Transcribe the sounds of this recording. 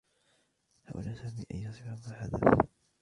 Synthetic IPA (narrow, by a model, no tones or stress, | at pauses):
haːʔʊ̰laːsaːmiːʔa̰jːɑsˤɨːamaːħad̪a̰f